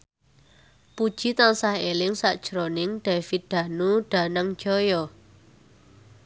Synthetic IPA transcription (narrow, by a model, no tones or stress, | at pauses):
pud̥ʒ̥i̤t̪aŋsahelɪŋsaʔd̥ʒ̥ɾonɪŋɖ̥afit̪̚d̪̥a̤nuɖ̥a̤naŋ̥d͡ʒ̥ɔjɔ